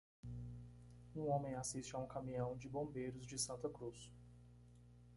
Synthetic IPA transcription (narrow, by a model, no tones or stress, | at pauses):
ũõmẽj̃asist͡ʃɪaũkamĩɐ̃w̃d͡ʒɪbõmbejɾʊzd͡ʒɪsɐ̃nt̪ɐkɾus